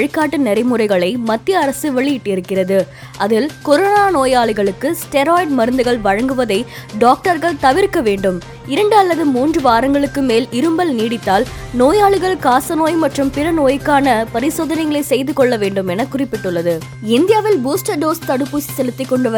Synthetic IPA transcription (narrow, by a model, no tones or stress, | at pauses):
ɻɪkːaːʈːɐnɪɾɐɪmʊɾrɐɪɣɐɭɐɪmɐt̪ːɪjɐːɾɐsɯʋɛɭɪjɪʈːɪɾɯkːɪrɐðɯ | ʔɐðɪlkɔɾoːnaːnoːjaːɭɯɣɐɭɯkːɯsʈɛɾoːɪɖmɐɾɯnd̪ɯɣɐɭʋɐɻɐŋɡɯʋɐðɐɪɖaːk̚ʈɐɾɣɐɭt̪ɐʋɪɾkːɐʋeːɳɖɯm | ɪɾɐɳɖɯɐlːɐðɯmuːndrɯʋaːɾɐŋɡɐɭɯkːɯmeːlɪɾɯmbɐlniːɽɪt̪ːaːlnoːjaːɭɪɣɐɭkaːsɐnoːjmɐʈrɯmpɪrɐnoːjɪkːaːnɐpɐɾɪsoːðɐnɐɪɣɐɭɐɪsɛjðɯkɔɭːɐʋeːɳɖɯmɛnɐkːʊrɪpːɪʈːɯɭːɐðɯ | ɪnd̪ɪjaːʋɪlbuːsʈɐɾɖoːst̪ɐɽɯpːuːsi̥sɛlɯt̪ːɪkːɔɳɖɯʋɐ